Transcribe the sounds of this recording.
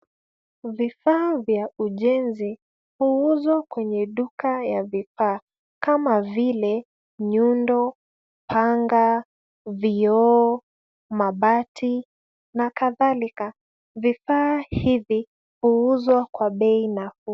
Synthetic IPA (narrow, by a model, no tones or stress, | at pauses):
vifaːvjauʄɛnzi | huuzwakwɛɲɛɗukajavifaː | kamavilɛ | ɲundɔ | pʰaŋɡa | viɔ | maɓatʰi | nakaðalika | vifaːhivi | huuzwakwaɓɛinafu